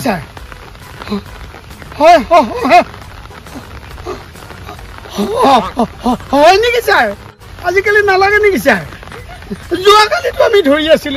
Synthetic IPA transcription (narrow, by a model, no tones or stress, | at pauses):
saɹ | hɔjɦɔɦɔ | ɔjniɡisaɹ | azikalinalaɡɛniɡisaɹ | zuakalitʊamidʱoɹiasil